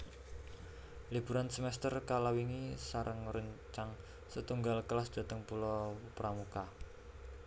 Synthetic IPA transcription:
lib̥ṳɾansəmɛst̪ərkalawiŋisaɾʔəŋɾəɲt͡ʃaŋ | sət̪uŋɡalkəlasd̪̥a̤t̪əŋpulɔpɾamuka

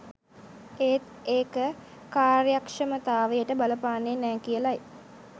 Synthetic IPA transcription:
eːt̪eːkə | kaːrjakʂəmət̪aːʋejəʈəbaləpaːnːenɛːkijəlaj

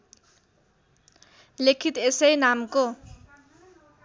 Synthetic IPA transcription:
lekʰit̪esʌjnamko

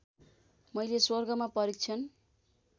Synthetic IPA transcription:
mʌjleswʌrɡʌmapʌɾik̚t͡sʰʌn

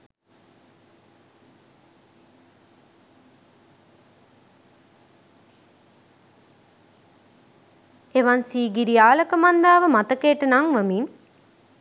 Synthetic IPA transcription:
eʋansiːɡiɾijaːlɐkəmand̪aːʋəmat̪ɐkeːʈɐnaŋʋəmin

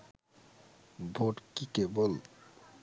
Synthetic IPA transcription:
bʱoʈkikebol

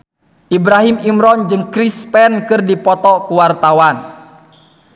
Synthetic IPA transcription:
ʔibɾaɦimimɾɔnd͡ʒɨŋkɾispɛnkɨrdipɔt̪ɔkuwart̪awan

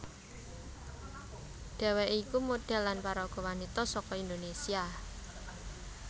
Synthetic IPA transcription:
ɖ̥e̤wɛʔikumoɖ̥ɛ̤lːanpaɾɔɡ̥ɔ̤wanit̪ɔsɔkɔind̪onesia

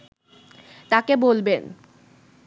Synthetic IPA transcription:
t̪akebolben

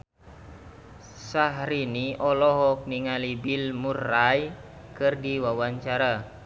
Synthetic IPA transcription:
saɦɾiniʔɔlɔɦɔk̚niŋalibilmuraj | kɨrdiwawaɲt͡ʃaɾa

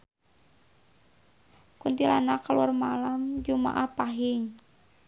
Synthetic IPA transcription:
kunt̪ila̰nakaluarmalamd͡ʒuma̰ʔahpaɦɪŋ

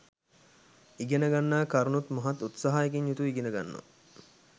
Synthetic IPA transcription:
iɡenəɡanːaːkaɾunut̪moɦat̪ːut̪saɦajek̬iɲjut̪uiɡenəɡa̰nːo̰

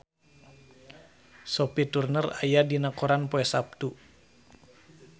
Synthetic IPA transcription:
sɔpit̪urnəra̰jadinakɔɾanpɔɛsap̚t̪u

